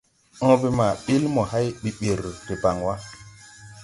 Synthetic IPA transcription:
ɔ̃˦bi˦ma˨ɓi˦lmɔ˨ha˦jɓi˨ɓi˨ɾte˨ba˨ŋwa˦

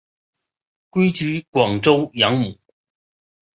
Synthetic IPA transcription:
kwe˥jt͡ʃy˨˥kwɔ˨˩ŋt͡so˥wjɐ˨˥ŋmu˨˩

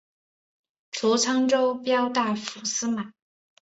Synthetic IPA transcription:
ʈ͡ʂʰu˧˥t͡sʰɑ˥ŋʈ͡ʂo˥ʊpjɑ˥ʊt̪a˥˩fu˧˥sɹ̩˥ma˨˩˦

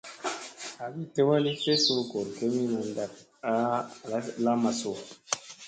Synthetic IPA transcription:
a˨bi˨te˦wa˦li˦t͡ʃe˦su˦ko˨ɾke˦mi˦nu˨n˦da˨t | a˦˨a˦la˦ma˨so˨a˨

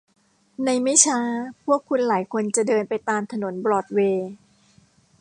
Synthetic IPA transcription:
na˧jma˥˩jt͡ɕʰaː˦˥pʰu˥˩əkʰːu˧nlaː˩˦jkʰo˧nt͡ɕa˨˩ʔdɤː˧npa˧jt̪aː˧mt̪ʰa˧no˨˩˦nbɾɔː˨˩t̪̚weː˧

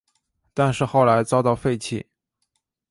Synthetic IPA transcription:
t̪a˥˧nʂɻ̩˥˧xo˥˩ʊla˧˥ɪt͡sɑ˥ʊt̪ɑ˥˧ʊfe˥˧ɪt͡ɕʰi˥˩

